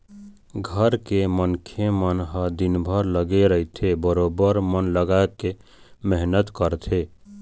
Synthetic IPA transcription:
ɡʱəɾkemənkʰemənɦəd̪inbʱəɾləɡeɾəɦit̪ʰebəɾobəɾmənləɡake | mɛɦnət̪kəɾt̪ʰe

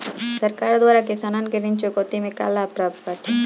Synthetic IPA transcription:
sɐɾkaːɾd̪waːɾakɪsaːnankeɾɪ̃ɲt͡ʃokoːt̪imẽka̰ːlaːpɾaːb̪̚at̪ʰi

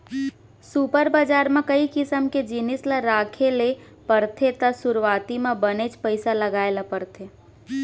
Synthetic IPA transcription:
supəɾbad͡ʒaːɾmẽkəikɪsəmked͡ʒɪnɪsleɾaːkʰele | pəɾt̪ʰet̪əsʊɾwaːt̪imẽbənet͡ʃpəɪsaləɡaːelapəɾt̪ʰe

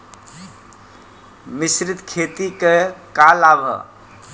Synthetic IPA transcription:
misɾit̪kʰet̪ikekalabʱə̰

